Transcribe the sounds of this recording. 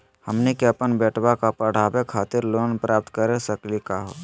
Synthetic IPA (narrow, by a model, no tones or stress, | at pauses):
həmnekeəpənbɛːʈʰbakapəɽ̤aːbekʰaːt̪ɪɾloːnpɾʔaːp̚t̪kəɾesəklikaɦo̰ː